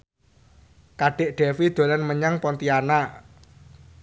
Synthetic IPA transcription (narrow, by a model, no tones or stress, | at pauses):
kaɖ̥eʔɖ̥ɛfid̪̥o̤lanməɲaŋpɔnt̪iana